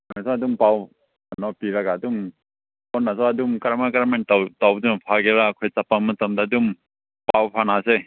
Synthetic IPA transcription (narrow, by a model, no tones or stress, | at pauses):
nasɔadumpaw | anɔpiɾaɡaːdum | pɔnːasɔadumkaɾmakaɾmantawtawdunpʰaɡeɾakʰɔjt͡sapːamatamdadum | pawpʰanase